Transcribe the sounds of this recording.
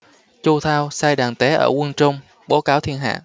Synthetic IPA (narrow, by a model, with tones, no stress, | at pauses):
t͡ɕu˧t̪ʰaː˧wsaː˧jɗaː˨˩ŋt̪e˨˦ʔəː˧˩kwə˧nt͡ɕʊ˧wŋ͡m | ɓo˨˦kaː˨˦wt̪ʰi˧ənɦa̰ː˧˨